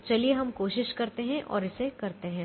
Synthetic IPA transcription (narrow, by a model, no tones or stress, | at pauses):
t͡ʃɐlieɦɐmkoːʃɪʃkɐɾt̪eɦɛ̃ʔɔ̰ːɾɪsekɐɾt̪eɦɛ̃